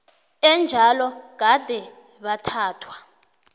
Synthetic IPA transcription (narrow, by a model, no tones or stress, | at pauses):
ɛnd͡ʒʱalɔkad̥ʱɛ | ɓatʰaːtʰwa